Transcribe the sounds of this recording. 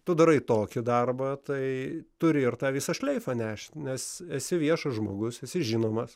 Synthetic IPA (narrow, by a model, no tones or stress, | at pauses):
t̪ʊd̪ɐɾɐɪt̪oːkʲɪd̪ɐrbɐt̪ɐɪt̪ʊɾʲɪɪrt̪ɑːʋʲiːsɐʃʲlʲɛɪfɐnʲæːʃʲtʲnʲɛsɛsʲɪʋʲiɛʃɐʒmoːɡʊsɛsʲɪʒʲiːnoːmɐs